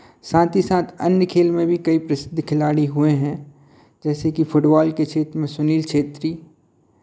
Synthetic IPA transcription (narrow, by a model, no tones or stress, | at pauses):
sãːt̪ʰisaːt̪ʰɐnjəkʰeːlmẽbʱikɐipɾɐsɪd̪ʱːkʰɪlaːɽiɦʊeɦɛ̃ | d͡ʒɛːsekifʰʊʈbaːlket͡ʃʰeːt̪ɾmẽsʊniːlkʃʰeːt̪ɾiː